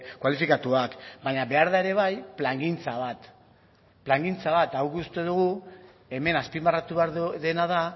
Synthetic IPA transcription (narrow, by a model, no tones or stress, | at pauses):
kwalifikat̪uakbaɲaβe̞aɾðae̞ɾe̞βajplaŋɡint͡saβat̪ | plaŋɡint͡saβat̪awkust̪e̞ð̞uɣ̞u | e̞me̞naspimbarat̪uβeɾðe̞naða